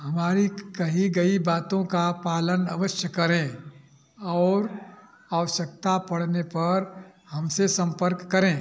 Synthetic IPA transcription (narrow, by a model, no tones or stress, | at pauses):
hɐmaːɾikɐɦiɡɐibaːt̪õkapaːləna̰ʋəʃjəkːɐɾẽ | ɔːɾ | aʋəʃək̚t̪apɐɽ̤nepɐɾhɐmsesɐ̃mpəɾkːɐɾẽː